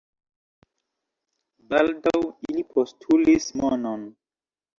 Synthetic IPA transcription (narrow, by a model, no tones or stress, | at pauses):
baldawinipʰostʰulismɔnɔn